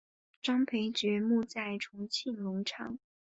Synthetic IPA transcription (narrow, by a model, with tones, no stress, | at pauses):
ʈ͡ʂɑ˥ŋpʰe˧˥ɪʈ͡ʂɻ̩˨˩mu˥˧t͡sa˥˩ɪʈ͡ʂʰʊ˧˥ŋt͡ɕʰi˥˩nlʊ˧˥ŋʈ͡ʂʰɑ̰˨˥˦ŋ